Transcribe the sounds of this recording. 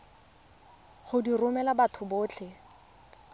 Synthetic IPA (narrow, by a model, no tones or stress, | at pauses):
χʊdirʊmɛlabatʰʊbʊːt͡ɬʰɛ